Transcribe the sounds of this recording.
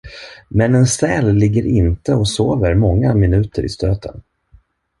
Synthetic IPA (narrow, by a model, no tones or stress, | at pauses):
mɛnɛnsɛːlːɪɡːəɾɪnt̪əɔsoːvəɾmɔŋːamɪnʉ̟ːt̪ʰəɾɪ̰st̪øːt̪ʰə̰n